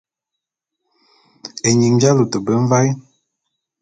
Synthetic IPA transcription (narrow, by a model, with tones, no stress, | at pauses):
e˨ɲi˨ŋ˦d͡ʒa˦lu˨tə˨bə˦ɱ˦va˦j